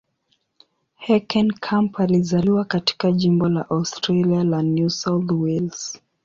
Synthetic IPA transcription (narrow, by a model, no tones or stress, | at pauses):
hɛkʰɛ̃nkʰãmpʰalizaliwakati̥kaʄimbɔlaʔaʊstɹalialanjusawθwils